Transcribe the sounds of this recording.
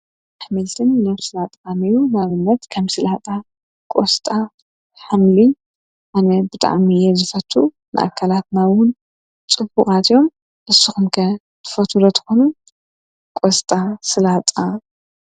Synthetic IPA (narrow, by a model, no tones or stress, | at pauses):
aħmɐlt̪ʰɨnːaβsɨlat̪ʼanijunaβɨnːɐt̪kʰɐmsɨlat̪ʼa | kʼost̪ʼa | ħamli | ʔanɐbɨt̪ʼa̰ʕmijɛzɨfɐt̪ʰːu | nɨ̰ʔa̰kʰːalat̪nawʊn | t͡sʼɨbuχʼat̪ʰijo̞m | ʔɨsːuxɨmkʰɐ | t̪ʰɨ̥fɐt̪ʰulɐt̪ʰɨ̥xonu | kʷʼost̪ʼasɨlat̪ʼa